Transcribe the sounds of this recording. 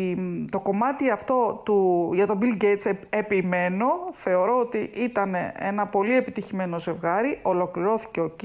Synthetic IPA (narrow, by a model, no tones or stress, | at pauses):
t̪o̞ko̞mɐt̪iɐft̪o̞t̪uʝɐt̪o̞bilɟejt̪sepime̞no̞θe̞o̞ɾo̞ot̪iʔit̪ɐnḛḛnɐpo̞lie̞pit̪içime̞no̞ze̞vɣɐɾiʔo̞lo̞kliɾo̞θi̥ceoc